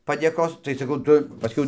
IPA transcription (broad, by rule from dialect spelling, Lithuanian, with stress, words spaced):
pɐdʲeːˈkoːs tɐɪ sɐˈkɐʊ ˈtʊ pɐˈsʲkʲɛʊ